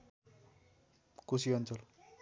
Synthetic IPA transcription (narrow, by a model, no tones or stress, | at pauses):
kusiʌnt͡sʌl